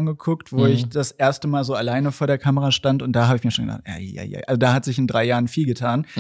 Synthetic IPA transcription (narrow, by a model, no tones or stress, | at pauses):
nɡəkʰʊktv̥oːɪçd̥asʔeːɐstəmaːlzoːalaɪnəfoːɐɾeːɐkʰaməʁaʃtantʊnt̚d̥aːɦaːbəɪçmiːɐʃoːnŋɡə̰da̰χtja̰ja̰ɪja̰ɪʔalzodaːhatz̥ɪçɪndʁaɪjaːʁənfiːlɡətʰaːn